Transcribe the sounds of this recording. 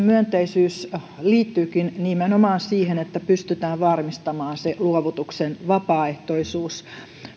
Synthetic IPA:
myønt̪eisyːs | liːt̪ːyːkinnimenomɑːnsiːhenet̪ːæpyst̪yt̪æːʋʋɑrmist̪ɑmɑːnseluoʋut̪uksenʋɑpɑːeht̪oisuːs

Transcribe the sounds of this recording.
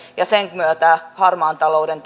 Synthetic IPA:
jɑseŋkmyøt̪æhɑrmɑːnt̪ɑlo̞udent̪

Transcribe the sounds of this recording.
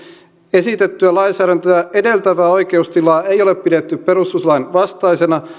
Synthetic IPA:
e̞sit̪et̪ːyælɑinsæːɾænt̪øæedelt̪æʋæːo̞ike̞ust̪ilɑːeijo̞leppidet̪ːyppeɾust̪uslɑinʋɑst̪ɑisenɑ

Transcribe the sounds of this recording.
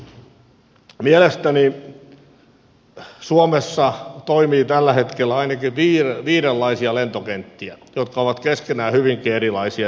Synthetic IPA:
mielest̪æni | suomesːɑt̪oimiːt̪ælːæhet̪kelːæɑinɑkiʋiːrʋiːɾelːɑisiɑlent̪okent̪ːiæjot̪kɑoʋɑt̪keskenæːhyʋiŋkieɾilɑisiɑ

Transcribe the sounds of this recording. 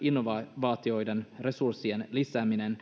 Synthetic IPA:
inːoʋɑʋɑːt̪io̞jde̞nre̞sursːie̞nlisæːminen

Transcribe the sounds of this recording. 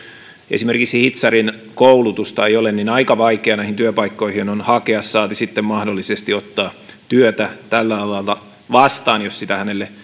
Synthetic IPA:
ḛsimerkiksihit̪sɑrin | koulut̪ust̪ɑeijolenninɑikɑʋɑikeɑnæihint̪yøpɑikːoihinonhɑkeɑsːɑːt̪isit̪ːemmɑhdolːisest̪iot̪ːɑːt̪yøt̪æt̪ælːælɑlɑlt̪ɑ | ʋɑst̪ɑːnjossit̪æhænelːe

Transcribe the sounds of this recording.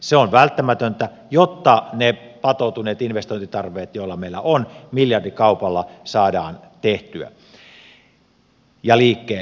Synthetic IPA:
seonʋælt̪ːæmæt̪ønt̪æ | jot̪ːɑnepɑt̪oˑut̪uneːt̪inʋest̪oint̪it̪ɑrʋˑeːt̪joˑilːɑmeilːæ̰ʔonmiljɑrdikɑˑupɑlːɑsɑːdɑ̰ːnt̪eht̪yæ̰ | jɑliːkːeː

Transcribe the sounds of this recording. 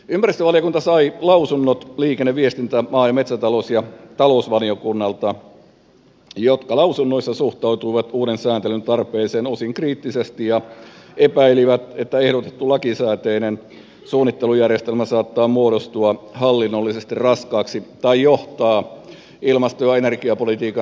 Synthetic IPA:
ympæɾist̪øʋɑlijokunt̪ɑsɑilɑusunːot̪liːkenːeʋiest̪int̪æmɑːjɑmet̪sæt̪ɑlosjɑt̪ɑlousʋɑliokunːɑlt̪ɑ | jot̪kɑlɑusunːoisːɑsuht̪ɑwt̪uiʋɑt̪uːɾensæːnt̪elynt̪ɑrpeːseːnosiŋkriːt̪ːisest̪ijɑepæiliʋæt̪et̪ːæehɾot̪e̥t̪ːulɑkisæːt̪einen | suːnːit̪ːelujærjest̪elmæsɑːt̪ːɑːmuoɾost̪uɑhɑlːinːolːisest̪irrɑskɑːksit̪ɑijoht̪ɑː | ilmɑst̪ojɑenerɡiɑpolit̪iːkɑ

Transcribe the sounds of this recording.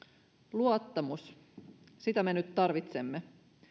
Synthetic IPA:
luot̪ːɑmus | sit̪æme̞nyt̪ːɑrʋit̪se̞mːe

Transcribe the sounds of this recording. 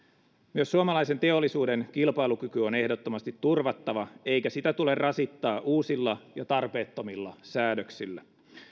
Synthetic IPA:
myøsːuomɑlɑjse̞nt̪e̞olːisuːde̞nkilpɑilukykyone̞hdo̞t̪ːo̞mɑst̪it̪ːurʋɑt̪ːɑʋɑe̞jkæsit̪æt̪ule̞rrʔɑsit̪ːɑːʔuːsilːɑjɑt̪ɑrpe̞ːt̪ːomilːɑ̰sæːdøksilːæ

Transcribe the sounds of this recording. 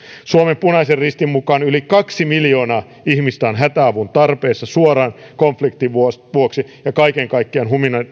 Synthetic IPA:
suomempunɑiserrist̪immukɑnylikɑksimiljoːnɑː | ihmist̪æːnɦæt̪æɑʋunt̪ɑrpeːsːɑsuoɾɑːn | koɱflikt̪iʋuʋuoksijɑkɑikeŋkɑikːeɑnɦuminɑ

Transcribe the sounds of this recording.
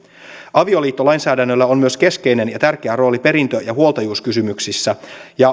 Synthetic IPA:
ʔɑʋio̞liːt̪ːolɑjnsæːdænːølːæo̞nmyøske̞ske̞jne̞njɑt̪ærk̟eæro̞ːlipe̞ɾint̪øjɑɦuo̞lt̪ɑjuːskysymyksisːæjɑ

